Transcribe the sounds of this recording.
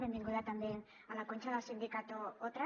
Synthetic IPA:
ɾend̪iŋɡoðat̪and̪een | alakont͡ʃaðasind̪ikat̪uot̪ɾa

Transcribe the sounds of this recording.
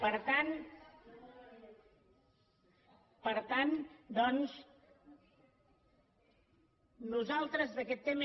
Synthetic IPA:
pəɾt̪an | pəɾt̪and̪ɔns | nuzalˠt̪ɾəzðəkɛt̪ːemə

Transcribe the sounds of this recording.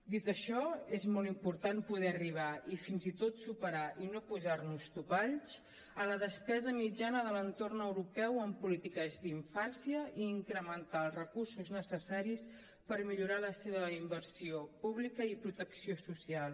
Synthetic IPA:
d̪it̪əʃɔezmɔlˠimpuɾt̪anpuðɛəriβ̞aifinzit̪ot̪supəɾaʔinopuzaɾnust̪upaʎt͡ʃ | ələðəspɛzəmid͡ʒanəðələnt̪ornəwɾupɛwəmpulit̪ikəzd̪iɱfansiəʔiːŋkɾəmənt̪alˠrəkursuznəsəsaɾis | pəɾmiʎuɾaləseβəimbəɾsiopuβlikəipɾut̪əksiosusialˠ

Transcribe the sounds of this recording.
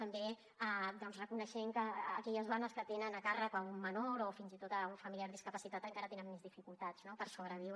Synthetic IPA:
t̪əmbe | ad̪ɔnzrəkunəʃɛŋkəːkɛʎəzβanəskət̪enənəkarəkaumːənoɾofinzit̪ot̪əuɱfəmiliaɾðiskəpəsit̪at̪əŋkaɾət̪enəmːezðifikulˠt̪ad͡znopəɾsoβɾəβ̞iwɾ

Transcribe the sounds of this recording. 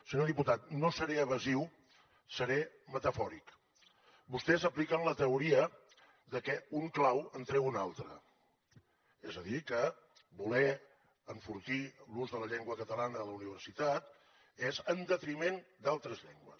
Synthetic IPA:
səɲoðiput̪at̪̚nosəɾeəβ̞əziw | səɾɛ | mət̪əfɔɾik | bust̪ɛzəplikənlət̪əuɾiə | ðəkɛuŋklawənt̪ɾɛwunalˠt̪ɾə̰ | ezəðikə | bulɛ | əɱfuɾt̪iluzðələʎeŋɡwəkət̪əlanəələuniβ̞əɾsit̪at̪̚ | ezənd̪ət̪ɾimend̪alˠt̪ɾəzʎɛŋɡwə̰s

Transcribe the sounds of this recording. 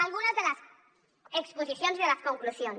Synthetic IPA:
alɣunazðelas | ekspos̬iθjonzðelaskoŋklusjon

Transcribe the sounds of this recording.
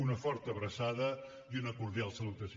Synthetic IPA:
unəfɔɾt̪əβɾəsaðə | iunəkuɾðijalˠsəlut̪əs

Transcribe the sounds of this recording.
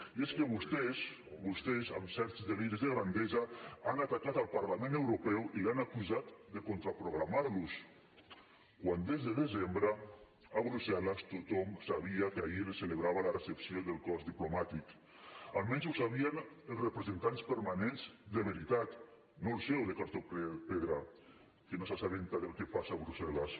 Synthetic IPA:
ieskəβust̪ɛz | βust̪ɛzamsɛɾt̪zðeliɾzðəɣɾand̪ezaanat̪akat̪alˠpaɾlamẽnewɾupɛwʔilanakuzat̪d̪əkont̪ɾapɾuɣɾamaɾlus | kwand̪ezðəðezembɾə | aβɾusalast̪ut̪ɔmsaβ̞iakaileseleβɾaβalaresepsioðəlˠkɔzd̪iplumat̪ik | alˠmɛnzusaβianelˠsrepɾezent̪anspəɾmanenzd̪əβeɾit̪at̪ | nolsɛwðekaɾt̪opeðɾa | kenosasaβent̪aðelˠkepasaːβɾusɛlas

